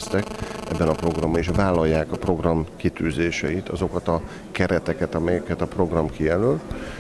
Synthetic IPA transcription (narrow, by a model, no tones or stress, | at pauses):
st̪ɛkɛ̰bːɛnɒpro̞ɡrɒmbɒiʃvaːlːɒjːaːkɒpro̞ɡrɒmkit̪yːzeːʃɛit̪ʰɒzo̞kɒt̪ɒ | kɛɾɛt̪ɛkɛt̪ɒmɛjɛkɛt̪ɒpro̞ɡrɒmkijɛløːl